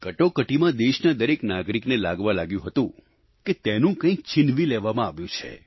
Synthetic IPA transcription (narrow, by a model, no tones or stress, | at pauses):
kəʈokəʈimãd̪eʃnad̪əɾeknaɡɾiknelaɡʋalaɡjũɦət̪ũ | ket̪enũkə̃ik̚t͡ʃɪnʋileʋamãaʋjũt͡ʃʰḛ